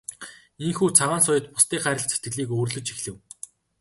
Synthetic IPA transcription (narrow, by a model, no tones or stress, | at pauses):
iŋxuːt͡sʰaʁaːnsʊjə̆t̪pʊ̥st̪iːχæːɾʲə̆tt͡set̪ɡɘ̆ɮiːkoːrɮɵ̆t͡ɕixɮɘ̆w